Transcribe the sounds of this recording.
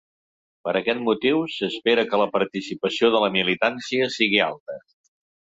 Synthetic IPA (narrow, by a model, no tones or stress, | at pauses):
pəɾəkɛt̪̚mut̪iwsəspeɾəkələpəɾt̪isipəsioðələmilit̪ansiəsiɣ̞ia̰lˠt̪ə